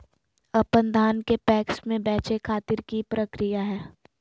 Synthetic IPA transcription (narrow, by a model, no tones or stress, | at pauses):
ɐpənd̪ʱaːnkepɛːksmẽbɛːt͡ʃekʰaːt̪ɪɾkipɾəkɾijaɦɛː